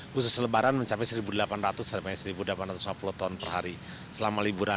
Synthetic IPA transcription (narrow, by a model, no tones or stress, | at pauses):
husʊsələbaɾanməɲt͡ʃapɛsəɾibudəlapanrat̪usəmaɲasəɾibudəlapanrat̪usmapulut̪ɔnpərɦaɾi | səlamalibuɾa